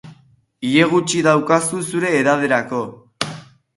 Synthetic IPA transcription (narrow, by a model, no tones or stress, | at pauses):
ie̞ɣ̞ut͡ʃiðawkasusuɾe̞ːðaβ̞e̞ɾako̞